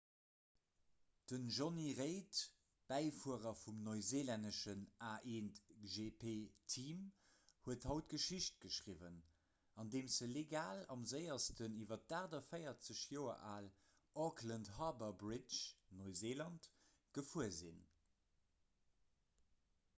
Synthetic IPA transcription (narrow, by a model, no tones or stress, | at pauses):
d̥ənʒoniʁeɪt | b̥æɪfuəʁɐfumnoɪzeːlɛndəʃənʔaːʔeːnʒepʰetʰim | huəthɑʊt̚ɡ̥əʃiɕt̚ɡ̥əʃʁivən | ɑndeːmzəleɡaːlɑ̰mzəɪɐstəniːvɐt̚daːʁdɐfəɪɐt͡səɕjoːɐ̰ʔaːl | ʔɔkʰlənthɑbɐbʁɪt͡ʃnoɪzeːlɑnt | ɡ̥əfuɐzḭn